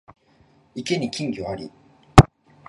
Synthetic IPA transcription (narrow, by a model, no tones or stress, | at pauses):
ike̞ɲ̟ikʲĩŋɡʲioaɾʲḭ